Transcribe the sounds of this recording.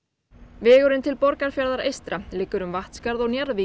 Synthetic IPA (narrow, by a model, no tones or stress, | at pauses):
vɛːɣʏɾʏnt̪ʰɪlpɔɾkaɾ̥fjaɾðaɾejst̪ɾalɪːkːʏɾʏmvaht̪skaɾðɔɣnjaɾvi